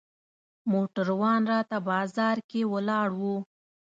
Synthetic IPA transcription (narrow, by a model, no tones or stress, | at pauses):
moʈəɾwɑnɾɑt̪abɑzɑɾkewəlɑɽwu